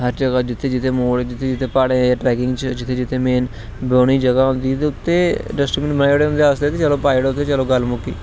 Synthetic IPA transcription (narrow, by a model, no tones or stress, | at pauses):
ɦəɾd͡ʒəɡaːd͡ʒɪt̪ʰːeːd͡ʒɪt̪ʰeːmoːɽd͡ʒɪt̪ʰːeːd͡ʒɪt̪ʰːeːpaːɽeːaʈɾɛːkɪ̃ŋɡt͡ʃd͡ʒɪt̪ʰːeːd͡ʒɪt̪ʰːeːmeːn | boːniːd͡ʒəɡaːɦʊ̃nd̪iːt̪eːʊt̪ːeːɖəsʈimɪnbənaːioɽeːɦʊ̃nd̪east̪eːt̪et͡ʃəloːpaːiɽʊt̪ʰːeːt͡ʃəloːɡəlmʊkːiː